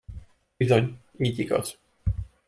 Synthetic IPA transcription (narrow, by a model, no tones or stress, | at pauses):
izoɲ | mit̪iɡɒ̰z